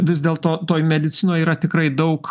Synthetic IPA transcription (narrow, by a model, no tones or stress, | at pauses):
ʋʲɪzd̪ʲeːlˠt̪oːt̪oːjmʲɛd̪ʲɪt̪sʲɪnoːjiːɾɐt̪ʲɪkɾɐɪd̪ɐʊk